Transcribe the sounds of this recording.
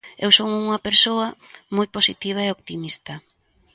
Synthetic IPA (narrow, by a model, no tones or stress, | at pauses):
ewsoŋuŋɐpeɾsoɐmujposit̪iβ̞aeok̚t̪imist̪ɐ